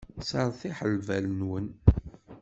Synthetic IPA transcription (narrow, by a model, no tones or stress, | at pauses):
səɾˤθiħəlvælnwən